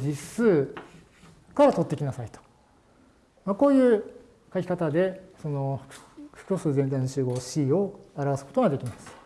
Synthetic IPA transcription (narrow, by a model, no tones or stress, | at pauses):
d͡ʑisɨː | kaɾat̪o̞t̪ːe̞kʲinasait̪o̥ | mako̞ːjɯ̟ː | kakʲi̥kat̪ad̪e̞so̞no̞hɯ̟̥kʲo̞ːsɨːzẽnt̪̬aĩnot͡ɕɨːɡo̞ːɕiːo̞aɾaβasɨ̥ko̞t̪o̞ɡad̪e̞kʲimasɨ̥